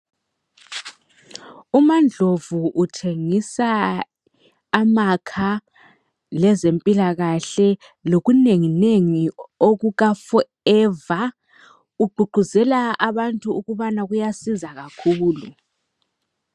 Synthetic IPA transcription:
umand͡ɮʱovuʔːtʰeŋisa | makʰa | lɛzempʼilaɣaɬɛ | loɣuneŋineŋioɣuɣafɔ | ɛːva | uɡ͡ǃʱuɡ͡ǃʱuzɛlaʔaβantʼuuɣuβanaɣujasizaɣakʰuːlu

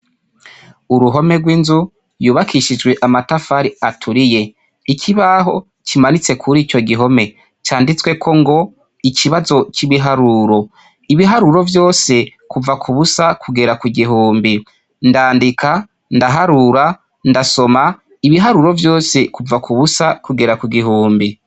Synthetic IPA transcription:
uɾuɦo̞me̞ɡwiːnzu | juβakʰiʃid͡ʒɡwe̞ʔamatafaɾiatʰuɾije̞ | ikʰiβaɦo̞ | cimanit͡se̞kʰuɾiːt͡ʃo̞ɡiɦo̞me̞ | t͡ʃaːndit͡swe̞kʰo̞ŋɡo̞ | ikʰiβazo̞t͡ʃiβiɦaɾuːɾo̞ | iβiɦaɾuɾo̞vjo̞ːse̞ | kuvakʰuβusakʰuɡe̞ɾakwuɡiɦuːmbi | ndaːndikʰa | ndaɦaɾuɾa | ndaso̞ma | iβiɦaɾuɾo̞vjo̞ːse̞kuvakʰuβusakuɡeɾakuɡiɦuːmbi

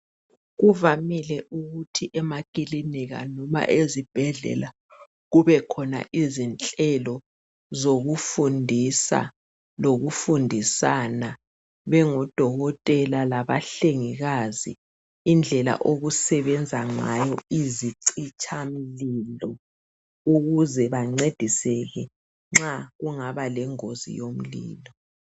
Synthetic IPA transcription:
ɣuvamilɛʔuɣutʰiʔɛmakiliniɣa̰nɔma̰ʔezib̥ʱɛɮɛ̰la | ɣuβɛkʰɔna̰ʔizint͡ɬʼɛlɔ | zoɣufundʱisa̰ | loɣufundʱisana | βɛŋɔd̥ʱɔɣɔtʼɛlalaβaɬeŋiɣazḭː | nd͡ɮʱɛla̰ʔoɣusɛβɛnd͡zʱaŋajɔiziǀit͡ʃʼʰam̩lilɔ | uɣuzɛβaŋ͡ǀed̥ʱisɛɣɛ | ŋ͡ǁaɣuŋaβalɛŋozḭjom̩lḭːlɔ

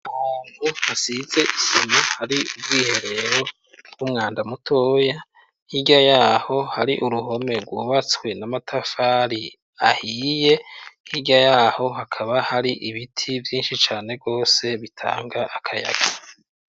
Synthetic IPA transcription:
ahaːn̥huhasize̞ʔisomahaɾiubɡiːhe̞ɾe̞ɾo̞ | bɡ̥umŋaːndamutʰo̞ːja | iɟajaːho̞haɾiʔuɾuɦo̞me̞ɾɡwuːβat͡swe̞namatʰafaːɾi | a̰hiːjehiɟajaːho̞ɦakʰaβahaɾiʔiβitʰivjiːnʃit͡ʃaːne̞ɾɡo̞ːse̞βitʰa̰ːŋɡaʔakʰaja̰ɡ̥a

